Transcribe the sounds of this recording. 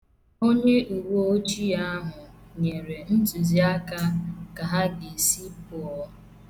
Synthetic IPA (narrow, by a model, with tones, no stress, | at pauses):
o˦ɲe˦u˨wo˦o˦t͡ʃi˦a˦ɦʊ˨ɲe˨ɾe˨n̩˦tu˨zi˦a˦ka˦ka˨ɦa˦ɡɪ˨si˦pʊ˨ɔ˦